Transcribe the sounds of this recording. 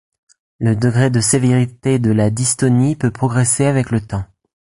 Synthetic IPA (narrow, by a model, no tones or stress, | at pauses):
ləd̪əɡʁed̪əseveʁit̪ed̪əlad̪ist̪ɔnipøpχɔɡʁeseavɛklət̪ɑ̃